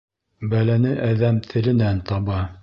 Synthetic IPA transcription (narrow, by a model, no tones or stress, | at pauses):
bælænɘʔæðæmt̪ʰɘ̆lɘ̆nænt̪ɑβɑ